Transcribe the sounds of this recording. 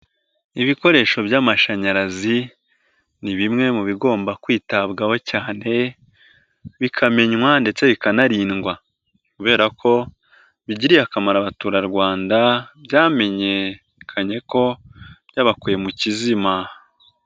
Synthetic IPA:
iβiko̞ɾe̞ːʃo̞bjaːmaʃaɲaɾazi | niβimŋe̞muβiɡo̞ːmbakwiːtabɡaho̞caːne̞ | βikʰame̞ɲwande̞t͡se̞βikanaɾiːnɡwa | kuβe̞ːɾakʰo̞ | βiɟiɾiakamaɾaβatuːɾaɾɡwaːndabjaːme̞ɲe̞ | kʰaɲe̞ko̞bjaːβakuje̞mucizima

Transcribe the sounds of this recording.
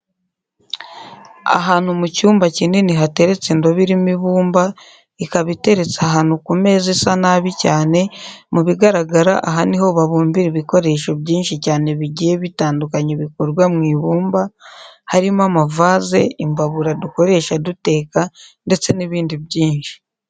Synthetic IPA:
a̰ɦaːn̥humucuːmbacineniɦate̞ɾe̞t͡sendoβiɾimiβuːmba | ikaβite̞ɾe̞t͡saɦaːn̥ukume̞ːzesanaβicaːne̞muβiɡaɾaɡaɾa̰ʔaɦaniɦo̞βaβuːmbiɾiβiko̞ɾe̞ʃo̞bɟiːnʃicaːne̞βiɟije̞βitaːndukaɲiβikoɾɡwamŋiːβuːmbahaɾimamavaːze̞imbaβuɾaduko̞ɾe̞ʃadute̞ːkande̞t͡se̞niβiːndiβɟiːnʃi̥

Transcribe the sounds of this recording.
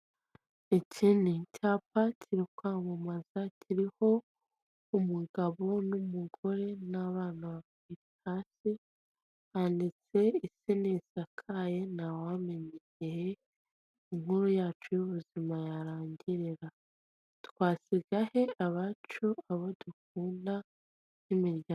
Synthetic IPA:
ecinicʰaːpatʰiɾikwaːmumazatʰiɾiho̞ | umuɡaβo̞numuɡo̞ɾe̞naβaːnaβa | wi | hasi | handit͡se̞isinisakʰaje̞nawame̞ɲe | eje | iŋhuɾujaːt͡ʃujuβuzimajaɾaːɲɟiɾiɾa | twaːsiɡahe̞aβat͡ʃuaβoduk̚uːnda | nimiɾɟa

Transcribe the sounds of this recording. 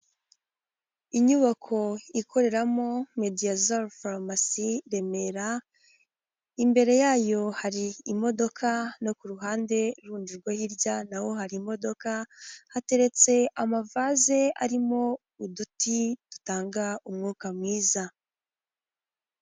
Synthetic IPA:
iɲuβakʰo̞ikʰo̞ɾe̞ɾamo̞me̞diazalfalmasiɾe̞me̞ɾa | imbe̞ɾe̞jaːjo̞haɾiːmo̞do̞kʰanokuɾuɦaːnde̞ɾuːnd͡ʒiɾɡwahiɾɟanawo̞ɦaɾimo̞do̞kahate̞ɾe̞t͡se̞amavaze̞a̰ɾimo̞ | udutitu̥taːŋɡaumŋuːkamŋiːza

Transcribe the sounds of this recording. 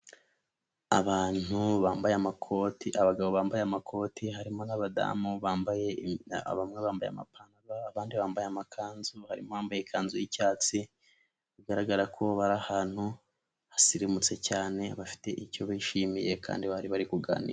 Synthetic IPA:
a̰βaːnuβaːmbajamakʰotiaβaɡaβo̞βaːmbajeamakʰo̞ːtʰiɦaɾimo̞naβada̰muβaːmbajea̰βamŋeβaːmbaja̰ma̰pʰanaβaːβaːndiβaːmbajeamakʰaːnzuhaɾḭmoβaːmbajekʰaːnzujicaːt͡si | βiɡaɾaɡaɾakʰo̞βaɾahaːn̥hu | hasiɾimut͡se̞caːne̞βafi̥te̞ʔico̞βiʃimije̞kʰa̰ːndiβaɾiβaɾikuɡa̰ːnḭɾe

